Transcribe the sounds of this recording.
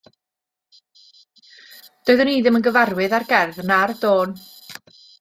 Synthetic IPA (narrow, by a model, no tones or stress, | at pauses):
d̥oːɨðʊniːðɨmənɡəvarwɨðarɡɛrðnardoːn